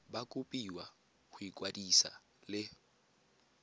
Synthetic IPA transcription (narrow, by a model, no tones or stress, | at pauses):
bakʼupʼiwa | ɣuikʼwadisa̰ | lɪ